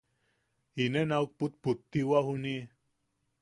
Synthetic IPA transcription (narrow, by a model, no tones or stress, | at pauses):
inenauk̚put̪̚put̪ːiwahuni